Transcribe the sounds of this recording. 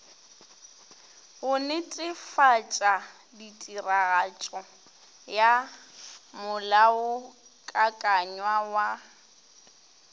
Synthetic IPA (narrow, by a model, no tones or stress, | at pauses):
ɣʊnɪtʼɪfat͡ʃʼa | ditʼiraɣat͡ʃʼɔ | ja | mʊlaʊ | kʼakʼaɲwawa